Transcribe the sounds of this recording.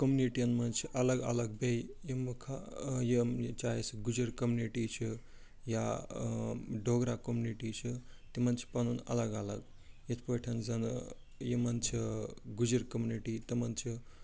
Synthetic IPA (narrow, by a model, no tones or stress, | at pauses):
kɐmuniʈijɐnmɐnt͡ʃʰiʔɐlɐɡɐ̰lɐɡ̚bejjimukʰajemt͡ʃaːjesɡud͡ʒiɾkɐmuniʈit͡ʃʰi | ja | ɖoɡɾakɐmuniʈit͡ʃʰit̪imɐnt͡ʃʰi̥pɐnunɐ̰lɐɡalɐɡ | jet̪ʰpoʈʰɐnzɐn | jimɐnt͡ʃʰiɡud͡ʒiɾkɐmuniʈit̪imɐnt͡ʃʰi